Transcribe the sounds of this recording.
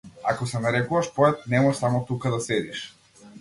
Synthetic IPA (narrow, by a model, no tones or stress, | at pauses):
akɔsɛnaɾɛkuvaʃpɔɛt̪̚nɛmɔʃsamɔt̪ukad̪asɛd̪iʃ